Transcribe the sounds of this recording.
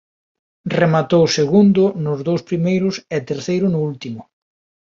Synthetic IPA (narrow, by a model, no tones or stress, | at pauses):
remat̪owseɣund̪ʊnʊzðowspɾimejɾʊsɛt̪eɾθejɾʊnʊult̪imʊ